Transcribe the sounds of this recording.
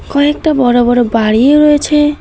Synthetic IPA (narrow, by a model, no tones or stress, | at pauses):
kɔek̚ʈabɔɾobɔɾobaɽieɾɔet͡ʃʰe